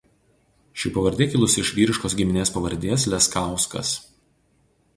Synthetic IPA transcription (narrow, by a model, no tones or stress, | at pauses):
ʃʲɪpɐʋɐɾʲd̪ʲeːkʲɪlˠʊsɪʃʋʲiːɾʲɪʃkoːsɡʲɪmʲɪnʲeːspɐʋɐɾʲd̪ʲeːs̬lʲɛskɑˑʊskɐ̰s